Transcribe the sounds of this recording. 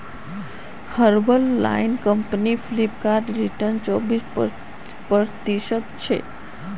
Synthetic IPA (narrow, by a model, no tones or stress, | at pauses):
kʰəɾbəlːa̰inkəmpəniflipkaɾɖɾiʈəɾnt͡ʃɔbis | pət̪iʃəd̪̚t͡ʃʰḛ